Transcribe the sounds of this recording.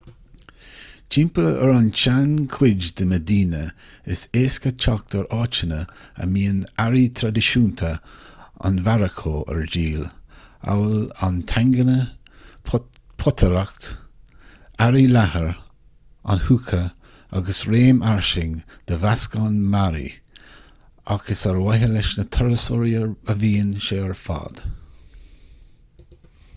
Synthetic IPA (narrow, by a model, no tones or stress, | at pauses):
t͡ʃɪmpəəɾant͡ʃankʰwɪd͡ʒd̪əməd̪iːnə | ɪseːskət͡ʃʰɔk̚t̪ʰəɾɑːt͡ʃənəə̰miːənaɾit̪ʰɾad̪ɪʃuːnt̪ʰə | a̰nvaɾəkʰoːə̰ɹd͡ʒiːla̰wəlant̪ʰaŋɡənə | pʰɔt̪ʰəɾakt̪ | aɾilahəɹ | a̰nhuːkʰə | a̰ɡəsɾeːmaɹʃɪŋd̪̥əvaskanmaɾḭ | aɡ̥əsəɹwɛɦəlɪʃnət̪ʰɛɹəsɔɾiəəviːnʃeːəɹfɑ̰ːd̪̥